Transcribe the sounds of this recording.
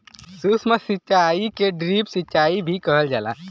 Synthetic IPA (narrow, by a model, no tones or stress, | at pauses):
susməsitːt͡ʃaikeɖɾipsitːt͡ʃaibʱikəɦəld͡ʒa̰ːla̰